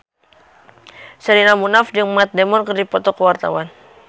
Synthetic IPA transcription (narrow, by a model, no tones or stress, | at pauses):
səɾinamunafd͡ʒəŋmat̪̚dɛmɔnkərdipɔt̪ɔkəwart̪a̰wan